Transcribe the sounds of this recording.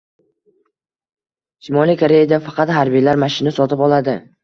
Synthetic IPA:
ʃɪmɒlijkʰaɾe̞jad̪afɑqʰɑt̪haɾbijlaɾmaʃɪnasɒt̪ʰɪpɒlˠad̪ɪ

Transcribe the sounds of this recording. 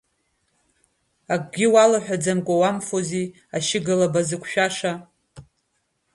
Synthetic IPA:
ak̚ʼɡʲɪwalaħʷᶣad͡zamkʷʼawamfozi | aʃɪɡɨlabazɨkʷʰʃᶣaʂa

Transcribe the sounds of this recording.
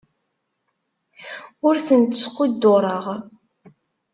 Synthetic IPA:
ʊɾθənt̪ə̥sqʊd̪ːoɾˤəʁ

